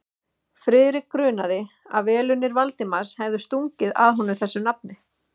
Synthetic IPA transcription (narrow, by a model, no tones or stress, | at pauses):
fɾɪːɾɪkɾʏːnaðɪ | a̰vɛːlʏnːɪɾvalt̪ɪmaɾ̥shɛvðʏst̪uŋcɪða̰ðɦɔnʏθɛsːʏnap̚nɪ